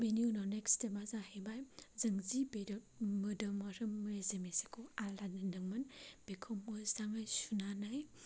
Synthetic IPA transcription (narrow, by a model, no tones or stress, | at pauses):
beniunɔnekstemazahebajzɐŋzibemɯdɯmaɾɯːɯezemesekʰoalanɯnɯŋmɯnb̥ekʰomɯzaŋajsunanaj